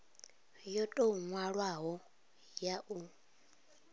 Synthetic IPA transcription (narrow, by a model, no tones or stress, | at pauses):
jɔtʼoŋwaɺwaɦɔ | jaʔu